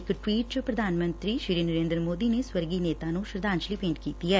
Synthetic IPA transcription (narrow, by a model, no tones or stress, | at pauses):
ɪkʈwiːʈ̚t͡ʃəpɾəd̪ʱaːnmə̃nt̪ɾiʃiːɾiːnəɾẽːnd̪ɾəmoːd̪ineswəɾɡineːt̪aːnũʃɾəd̪aːnʃlipẽːɳʈkiːt̪iɛː